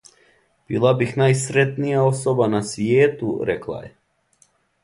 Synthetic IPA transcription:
b̥iːlˠabixnajsɾet̪nijaosobanasʋjeːt̪uɾɛklˠa̰jḛ

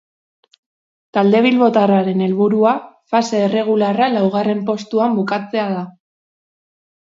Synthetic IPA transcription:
t̪ald̪e̞β̞ilβo̞t̪araɾe̞ne̞lβuɾua | fase̞ːre̞ɣ̞ularalawɣ̞are̞mpo̞st̪uambukat͡se̞að̞a

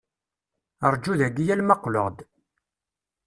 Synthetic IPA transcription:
əɾˤd͡ʒuðæɡijælmɑqlo̰ʁd̪

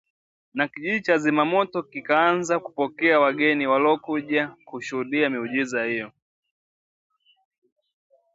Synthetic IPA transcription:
nakiʄiɗit͡ʃazimamɔtɔkikaanzaku̥pɔkɛawaɡɛniwalɔkuʄakuʃuhuɗiamiuʄizahijɔ

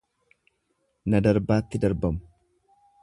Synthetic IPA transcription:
nɐd̪ɐɾbaːt̪ːɪd̪ɐɾbɐmʊ̥

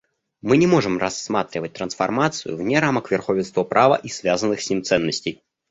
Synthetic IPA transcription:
mɨnʲɪmoʐɨmrɐsːmat̪ɾʲɪvət̚ʲt̪ɾənsfɐrmat̪sɨ̰jʊ̰vnʲɛɾaməkvʲɪrxovʲɪnst̪vɔpɾʔavə̰ʔisvʲazənːɨxsʲnʲimt̪sɛnːəsʲtʲej

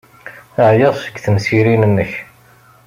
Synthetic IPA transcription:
əʕjəðˤsəɡθəmsiɾinənːəç

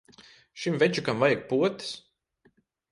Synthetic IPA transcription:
ʃimvɛt͡ʃukamvajak̚puɔt̪i̥s

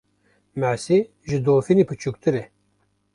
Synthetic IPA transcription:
mæsi | ʒɨd̪oːfinipʰɨt͡ʃʰuk̚t̪ɨɾɛ

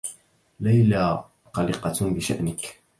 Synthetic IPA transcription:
lajla | qɑliqɑbɪʃa̰ʔnɪk

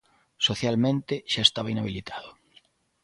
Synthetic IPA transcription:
soθjalmẽnt̪ɪʃaest̪aβainaβ̞ilit̪ʰaðʊ

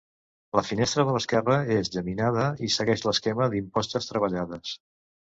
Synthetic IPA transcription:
ləfinest̪ɾəðələskɛrəezʎəminað̞əisəɣɛʃləskɛməðimpɔst̪əst̪ɾəβ̞əʎaðəs

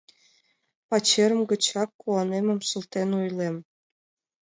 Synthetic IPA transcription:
pɑt͡ɕeɾə̆mɡə̆t͡ɕɑkːuɑnemɤ̆msult̪enujlˠem

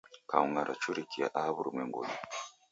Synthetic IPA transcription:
kauŋaɾʔat͡ʃuɾikia̰ʔahaβuɾumweŋɡṵni

